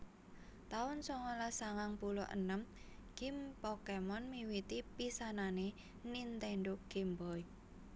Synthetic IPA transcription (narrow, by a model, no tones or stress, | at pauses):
t̪aʊnsɔŋɔlasaŋaŋpulɔ̰ʔə̰nəmɡ̥impɔkemɔnmiwit̪ipisanane | nint̪eɳɖʊɡ̥imbɔj